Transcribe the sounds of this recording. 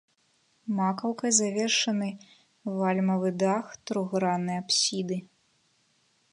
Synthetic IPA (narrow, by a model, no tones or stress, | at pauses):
makɐwkɐjzavʲɛrʂɐnɨ | valʲmɐvɨd̪axt̪ɾuɣɾanɨjapsʲid̪ɨ